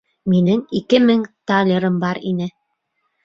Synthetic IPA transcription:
minɘŋikɘmɘŋt̪alʲeɾɤmbɑɾinɘ

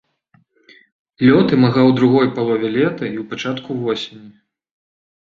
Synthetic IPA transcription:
lʲɔt̪ɨmaɣawd̪ɾuɣɔjpalˠɔvʲɛlʲɛt̪ɐiwpat͡ʂat̪kuvɔsʲenʲi

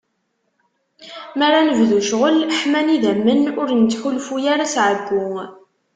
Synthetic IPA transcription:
maɾanəvðuʃʁəlħmæniðæmːənʊɾnt͡sːçulfujaɾasʕəbːʊ

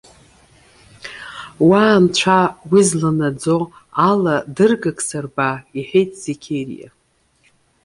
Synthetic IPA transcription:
waːmt͡ɕʷʰawizlanad͡zo̞aladɨrɡakʼsarbaiħejtʼz̥ikʲʰerḭja̰

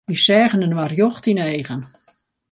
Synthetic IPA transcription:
isɛːɣənənʋarjoxtinɛjɣən

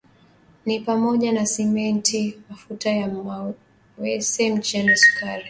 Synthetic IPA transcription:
nipamɔʄanasɛmɛntʰimafutajaa | wɛsɛm̩t͡ʃɛnɛsu̥kʰaɾɛ

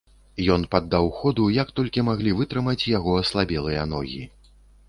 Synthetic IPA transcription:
jɔnpad̪ːawxɔd̪ujɐkt̪ɔlʲkʲimaɣlʲivɨt̪ɾɨmɐt͡sʲjaɣɔɐslˠabʲɛlˠɨjɐnɔ̰ɣʲḭ

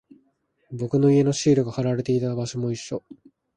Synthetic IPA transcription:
bo̞kɯ̟no̞ie̞no̞ɕiːɾɯ̟ɡahaɾaɾe̞t̪e̞it̪abaɕo̞mo̞iɕːo̞

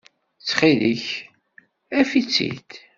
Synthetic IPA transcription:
t͡sːχiðəç | æfit͡sːḭt̪

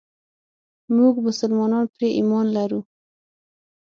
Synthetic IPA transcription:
muɡmʊsʊlmɑnɑnpɾeʔimɔnlaɾu

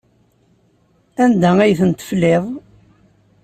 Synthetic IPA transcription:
ænd̪ææjθənt̪ːə̥flːeðˤ

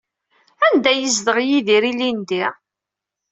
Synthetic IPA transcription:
ænd̪æjəzðəʁjiðiɾilind̪i

